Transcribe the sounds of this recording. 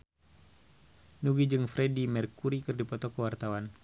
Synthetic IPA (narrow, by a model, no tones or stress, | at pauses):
nuɡid͡ʒɨŋfɾɛdimɛrkuɾikɨrdipɔt̪ɔkəwart̪awan